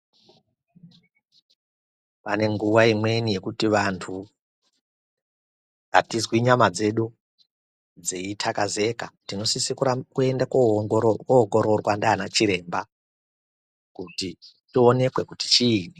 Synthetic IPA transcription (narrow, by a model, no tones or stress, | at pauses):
pane̞ŋɡuʋaimwe̞nije̞kutiʋantʰu | a̰tizwiɲamad͡ze̞ɗu | d͡zeitʰakaze̞katino̞sisikukue̞ndakkooɡo̞ɾo̞rwandaːnat͡ʃiɾe̞mba | kuti | tio̞ne̞kwe̞kuti̥t͡ʃiːni